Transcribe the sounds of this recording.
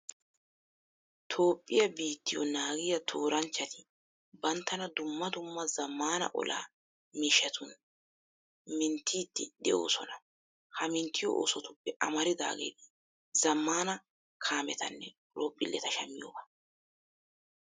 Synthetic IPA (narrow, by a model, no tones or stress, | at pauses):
t̪ʰo̞ːpʼːɪjɐbiːt̪ːɪjɔ̰naːɡɪjɐt̪ʰoːɾɐnt͡ʃːɐt̪ɪ | bɐnt̪ːɐnɐd̪ʊmːɐd̪ʊmːɐzɐmːaːnɐ̰ʔɔ̰lʔa̰ː | miːʃɛt̪ʰʊn | mɪnt̪ːiːt̪ːɪᶑɛo̰ːsɔnɐ | hɐmɪnt̪ʰːɪjo̰ʔo̰ːsɔt̪ʊpːɛʔɐmɐɾɪd̪a̰ːɡḛːd̪ɪ | zɐmːaːnɐ | kʰaːmɛt̪ʰɐnːɛ | loːpʼːɪlːɛt̪ɐʃɐmːɪjo̰ːbɐ